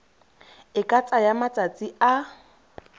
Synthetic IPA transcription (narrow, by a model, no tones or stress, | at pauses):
ɪkʼat͡sʼajamat͡sʼat͡sʼia